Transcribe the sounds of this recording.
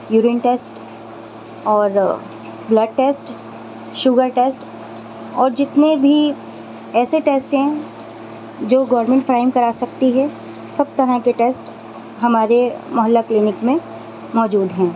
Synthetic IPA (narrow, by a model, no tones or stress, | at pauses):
juːɾɪnʈeːsʈ | ɔːɾ | blɐɖ̚ʈeːsʈ | ʃʊɡəɾʈeːsʈ | ɔːɾd͡ʒɪt̪nebʱi | ɛːseʈeːsʈɦɛ̃ | d͡ʒoːɡɔːɾmẽɳʈfɾaːɪmkɐɾaːsɐk̚t̪iɦɛ | sɐb̚t̪ɐɾə̃keʈeːsʈ | ɦɐmaːɾemɐɦəlːaklɪːnɪkmẽ | mɔːd͡ʒuːd̪ɦɛ̃ː